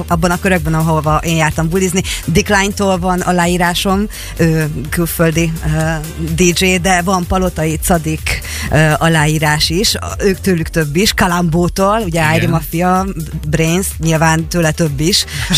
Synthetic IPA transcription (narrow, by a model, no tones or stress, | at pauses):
ɒbːɒnɒkøɾøɡ̚bɛnɒɦovɒʔeːnjaːrt̪ɒmbuliznid̪iklajnt̪oːlvɒnɒ̰laːjiːɾaːʃo̞m | øːkylføld̪iø | d̪id͡ʒeːd̪ɛvɒmpɒlo̞t̪ɒit̪sɒd̪ik | øʔɒlaːjiːɾaːʃiʃøːkt̪øːlykt̪øbːiʃkɒlamboːt̪oːluɟɛaːjɾimɒfijɒbreːnsɲilvaːnt̪øːlɛt̪øbːiʃ